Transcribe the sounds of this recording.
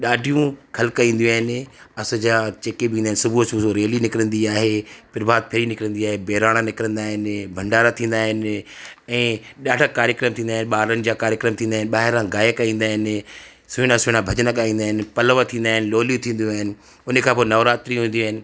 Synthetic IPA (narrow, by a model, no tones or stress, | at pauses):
ɗaːɖʱijũkʰɐlkaĩːn̆d̪iũaːɦɪnɪ̆ɐsʊd͡ʑaːt͡ɕeːkebĩːnd̪aːɪ̃nɪsʊbʱusbsoɾeːlinɪkɪɾə̃nd̪iaːɦepɪɾbaːd̪̚pʰɪɾinɪkɾə̃nd̪iaːɦebeːɾaːɽ̃anɪkɪɾə̃nd̪aːɦɪnɪbʱɐ̃ɳɖaːɾat̪ʰĩːnd̪aːɦɪnɪ | ɛ̃ːɗaːɖəkaːɾjəkɾəmt̪ʰĩːnd̪aːɦɪnɓaːɾənɪ̆d͡ʑaːkaːɾjəkɾəmt̪ʰĩːnd̪aːɦɪnɪɓaːɦɪɾãɡaːjəkaĩːn̆d̪aːɦɪnɪ | sʊɪɽãsʊɪɽ̃ãbʱɐd͡ʑənakaːĩːnd̪aːɦɪnɪ̆pɐləʋat̪ʰĩːnd̪aːɦɪnɪloːlijũt̪ʰĩːn̆d̪ũaːɦɪnɪ̆ | ʊnkʰãːpoːenɐʋɾaːt̪ɾĩɦũːn̆d̪ĩuaːɦɪnɪ̆